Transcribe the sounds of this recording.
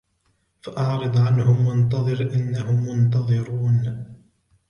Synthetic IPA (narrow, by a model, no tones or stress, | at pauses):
faʔɑʕɾɨd̪ˤʕanhʊmwʊnt̪ɑðˤɨɾʔɪnːahʊmːʊnt̪ɑðˤɨɾuːn